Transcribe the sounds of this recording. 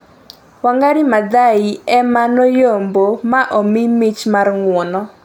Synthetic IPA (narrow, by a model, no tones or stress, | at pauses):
waŋɡaɾimad̪aiɛmanojombomaʔomɪmɪt͡ʃmarŋwɔnɔ